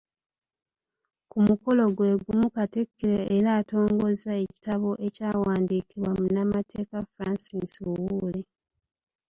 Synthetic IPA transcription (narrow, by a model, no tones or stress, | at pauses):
kumuko̞lo̞ɡwe̞ːɡumukatekːiɾeːɾaːto̞ːŋɡo̞zae̞ci̥taβo̞ʔe̞caːwaːndiːkiβwamunamatʰe̞ːkafɾansisuwuːle